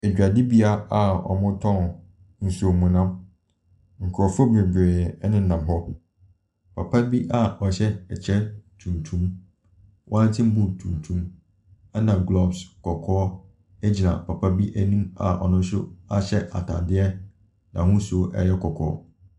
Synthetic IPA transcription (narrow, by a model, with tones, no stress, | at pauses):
ɛ˨d͡ʑᶣa˨di˦bi˦a˦a˨ɔ̰˨mʊ̃˦tʰɔ̃˦˨ | n̩˨su˨o˨mũ˨nã˦m | ŋ̩˨kʰɾɔ˨fɔ˦bɛ˨ɡᶣɛ˨˦nɪ̃˦nã˨m˨ɦɔ˦ | pʰa˨pʰa˦bi˦ʔa˨ɔ˨ɕɛ˦ɛ˨t͡ɕʰɛ˦tʰũ˨ntʰũ˦m | wʔã˦n˦tʰɪ̃˦m̩˦bʊ̃˦˨tʰũ˨ntʰũ˦m | a˦nã˨ɡlɔ˦bskʰɔ˨kʰɔː˦ | ɛ˦d͡ʑi˨nã̰˨pʰa˨pʰa˦bi˦ʔæ˦nũ˦ma̰˨ʔɔ̰˨nʊ̃˦n˦sʊ˦a˨ɕɛ˦ʔa̰˨tʰa̰˨dɪ˦ɛ˦ | nã˨hʊ̃˦su˨ʔɛ̰˦˨jɛ˦kʰɔ˨kʰɔ̰ː˦˨ɔ˦